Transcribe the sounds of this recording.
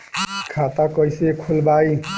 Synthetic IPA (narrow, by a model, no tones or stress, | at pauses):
kʰat̪akʌjsekʰolbai